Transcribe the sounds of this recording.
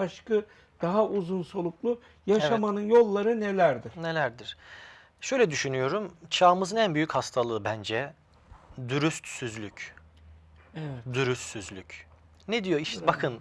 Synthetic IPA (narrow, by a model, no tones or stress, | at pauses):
aʃkɯ | d̪̥aɦauzunsolˠuklˠu | jaʃamanɯnjo̞lˠːaɾɯnelʲæɾd̪ɪ̥ne̞lʲæɾd̪iɾ̥ | ʃø̞jlʲɛd̪yʃynyjo̞ɾumt͡ʃʰaːmɯzɯnænbyjychast̪ʰalˠɯːbænd͡ʒɛ | d̪yɾyst̪syzlʲyc | ɛvɛd̪yɾyssyzlʲycʰ | ned̪ijo̞iʃbakʰɯn